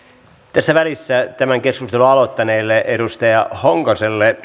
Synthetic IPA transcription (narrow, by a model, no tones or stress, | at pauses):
t̪æsːæʋælisːæt̪æmæŋkeskust̪eluɑlot̪ːɑneːlːeʔeɾust̪ɑjɑhoŋkoselːe